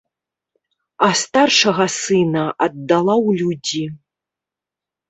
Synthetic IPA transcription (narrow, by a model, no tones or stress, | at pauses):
ɐst̪arʂɐɣɐsɨnɐʔɐd̪ːalˠawlʲud͡zʲi